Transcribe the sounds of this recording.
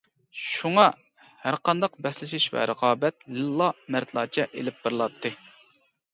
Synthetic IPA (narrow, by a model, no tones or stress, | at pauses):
ʃuŋɑ | hæɾqɑnd̪ɑqbɛslɪʃiʃvɛ̰ɾəqʰɑːbɛt̪lɨlˠːɑmæɾt̪ʰlˠɑːt͡ʃʰɛʔḛlɪp̚bɨɾlˠɑp̚t̪ʰːɨ